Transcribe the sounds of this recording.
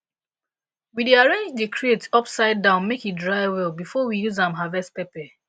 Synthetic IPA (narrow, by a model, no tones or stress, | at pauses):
wideaɹẽnd͡ʒdekʰɹietɔpsaɪdãʊ̃nmekit̚dɹaɪwɛlˠbifɔwijuzãmɦavɛst̚pɛpɛ